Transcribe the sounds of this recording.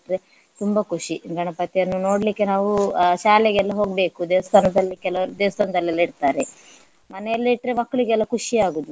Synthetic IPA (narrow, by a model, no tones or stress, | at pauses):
ʈɾe | t̪umbɐkʰuʂiɡʱɐɳɐpɐt̪iɐnːuno̞ːɽlikːe̞naːʋuʃaːleɡɛlːɐɦo̞ːɡbe̞ːkud̪eːʋɐst̪ʰaːnɐd̪ɐlːikɛlɐd̪eːʋɐst̪ʰaːnɐd̪ɐlːlːɐiɽt̪aːɾe̞ | mɐnɛjɐlːɐiʈːɾemɐkːɐɭiɡɛlːɐkʰuʂiaːɡuːd̪u